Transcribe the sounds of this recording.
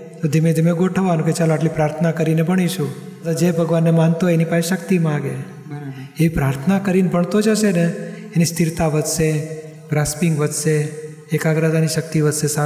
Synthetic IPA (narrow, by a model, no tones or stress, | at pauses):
t̪od̪ʱimed̪ʱimeɡoʈʰəʋanũket͡ʃaloaʈlipɾaɾt̪ʰənakəɾinebʱəɽ̃iʃʰũ | ət̪ad͡ʒebʱəɡʋanːemant̪oenipaʃeʃəkt̪imãɡe | eʋipɾaɾt̪ʰənakəɾinbʱəɳt̪od͡ʒaʃeneenist̪iɾt̪aʋəd̪ʃe | ɡɾaspiŋɡʋəd̪ʃeː | kaɡɾad̪aniʃək̚t̪iʋəd̪ʃesa